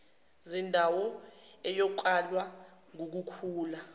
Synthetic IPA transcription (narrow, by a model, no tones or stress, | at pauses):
zindʱawɔɛjɔǃalwa | ŋuk̬ukʰuːla